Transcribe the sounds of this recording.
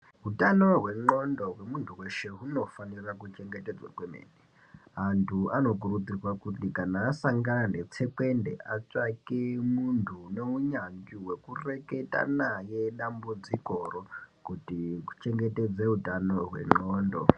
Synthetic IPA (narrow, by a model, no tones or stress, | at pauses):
ɦutano̞ɦwe̞ŋ͡ǃo̞ndo̞ɦwemuntʰuwe̞ʃe̞ɦuno̞fanirakut͡ʃe̞ŋɡete̞d͡zwa̰kwemḛːne | antʰuano̞k̬urud͡zirwakutikanaːsaŋɡanande̞t͡se̞ke̞nde̞̰ʔat͡ʂakemuntʰune̞uɲaŋɡiwe̞kure̞ke̞ta̰naje̞ɗambud͡ziko̞rokutiku̥t͡ʃe̞ŋɡe̞te̞d͡zeɦutanoɦwe̞̰ŋ͡ǃoːndo̞̰